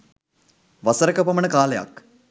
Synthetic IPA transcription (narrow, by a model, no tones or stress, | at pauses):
ʋasəɾəkəpəməɳəkaːleja̰k